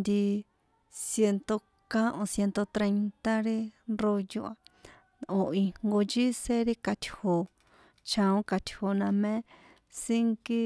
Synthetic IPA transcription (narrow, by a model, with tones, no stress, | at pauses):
nd̪i˧ | sje˧nt̪o˧ | kã˦ʔõ˧sje˧nt̪o˧t̪ɾe˧jnt̪a˦ɾi˦ro˧ju˧ʔa˧ | õ˧i˧ŋɡo˧d͡ʒi˦se˦ɾi˦ka˧t̪ʲho˧ | t͡ʃã˧õ˦ka˧t̪ʲho˧nã˧mẽ˦ | si˦ŋki˦